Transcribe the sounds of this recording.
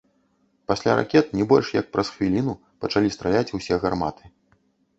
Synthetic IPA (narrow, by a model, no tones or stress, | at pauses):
pasʲlʲaɾa̰kʲɛt̪̚nʲɛbɔlʲʂjɐk̚pɾɐsxvʲilʲinu | pɐt͡ʂalʲist̪ɾalʲat͡sʲusʲɛɣarma̰t̪ʰɨ̥